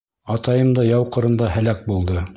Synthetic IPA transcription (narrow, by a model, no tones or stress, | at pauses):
ɑt̪ɑjɤmd̪ɑjɑwqɤ̆ɾɤ̆nd̪ɑhælæk̚bulˠd̪ɤ